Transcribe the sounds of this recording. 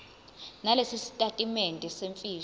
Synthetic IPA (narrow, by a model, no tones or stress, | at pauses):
nalesisi̥tʼatʼimentʼɛseɱfiː